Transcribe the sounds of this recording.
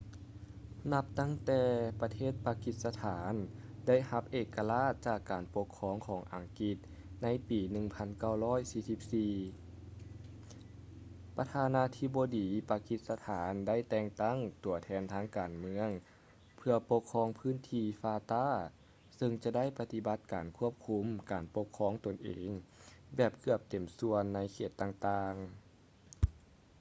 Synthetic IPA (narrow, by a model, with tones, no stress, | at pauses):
na˧˥p̚t̪a˥˩˨ŋt̪ɛː˧pa˧t̪ʰeː˥˩t̪̚paː˧ki˧˥t̪̚sa˧t̪ʰaː˩˨˦nda˥˩˨jha˧˥p̚ʔeː˧˩kːa˧laː˧˥˩t̪̚t͡ɕaː˨˩kːaː˨˩npo˧˥kʰːɔː˧˥˨ŋkʰɔː˩˦ŋʔa˨˩ŋki˧˦t̪̚ | na˧˥jpiː˨˩nɯ˧ŋpʰa˧˥nka˧˥˩wlɔː˥˩˨jsiː˧˩si˧˩p̚siː˧˩ | pa˧t̪ʰaː˧˥naː˧˥t̪ʰi˧˥boː˧diː˨˦paː˧ki˧˥t̪̚sa˧t̪ʰaː˨˦nda˥˨jt̪ɛː˧ŋt̪a˥˩ŋt̪u˨˩ɐt̪ʰɛː˧˥nt̪ʰaː˧˥ŋkaː˨˩nmɯ˧˥əŋ | pʰɯ˧ɐpo˧kʰːɔː˧˥ŋpʰɯː˧˥˨nt̪ʰiː˧faː˧t̪aː˥˨ | sɤ˧ŋt͡ɕa˧da˥˩jpa˧t̪i˧˥ba˧˦t̪̚kaː˨˩nkʰu˦˥˩əp̚kʰu˧˥mkaː˨˩npo˧˥kʰːɔː˧˥˨ŋt̪o˨˩nʔḛː˨˩ŋbɛː˨˩p̚kʰɯ˧˩əp̚t̪e˨˩msu˧ənːa˧˥jkʰeː˧˩t̪ːaː˧˩ŋt̪aː˧ŋ